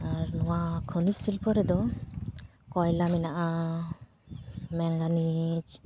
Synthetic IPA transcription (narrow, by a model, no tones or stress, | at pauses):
aɾnɔwakʰənisilpʰɔɾɛd̪ɔ | kɔjlaminaʔa | mɛŋɡanit͡ʃ